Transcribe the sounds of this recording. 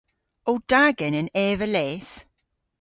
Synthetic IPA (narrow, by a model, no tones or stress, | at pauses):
ɔwd̥aɡɛnəneːvəleːθ